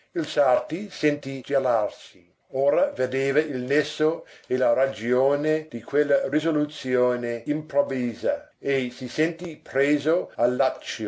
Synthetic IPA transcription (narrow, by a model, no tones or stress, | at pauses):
ilsart̪isent̪id͡ʒalarsi | oːɾaved̪eːvailnesːoelaɾad͡ʒjoːned̪̥ikʰwelːarizolut̪sjoːneimpɾoviːza | esisent̪ipɾeːzoalːat͡ʃːo